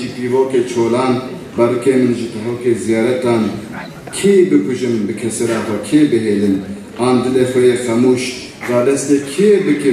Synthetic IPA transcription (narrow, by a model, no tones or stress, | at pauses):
iːpiːvoːkeːt͡ʃʰoːlɑːn | bɛrɨkeːmɨnʒit̪ɨɦoːkeːzijɑːɾɛt̪ɑːn | kʰeːbɨkʰʊʒɨnbɨkʰɛseɾɑːt̪ɛkʰeːbɨɦeːlɨn | ɑːnd̪ɨleːxɛjeːxɛmuːʃ | zɑːd̪ɛst̪eːkʰeːbɨkɨ